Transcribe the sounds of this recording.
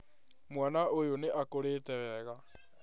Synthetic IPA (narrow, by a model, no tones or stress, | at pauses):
mwanaojoneʔakoɾeːtɛɾɛɣa